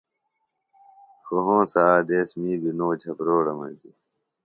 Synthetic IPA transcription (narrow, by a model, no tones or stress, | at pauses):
xoɦõːsaːd̪eːsmiːbinoːd͡ʑʰɐpɾoːɽɐmɐ̰̃d͡ʑi